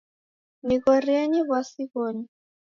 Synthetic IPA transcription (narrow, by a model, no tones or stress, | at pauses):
miɣɔriaɲiɣwasiɣɔɲi